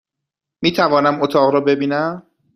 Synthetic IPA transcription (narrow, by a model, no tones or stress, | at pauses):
miːt̪ʰævɒːnæmot̪ʰɒːɣɾɒːbe̞biːnæm